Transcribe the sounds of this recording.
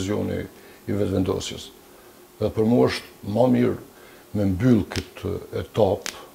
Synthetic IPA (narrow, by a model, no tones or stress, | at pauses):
ziɔ̰nḭː | vɛt̪vɛnd̪ɔ̰sjəs | ðɛpəɾmuəʃt̪mamiɾ | mɛmbylˠkət̪ʰɛt̪ap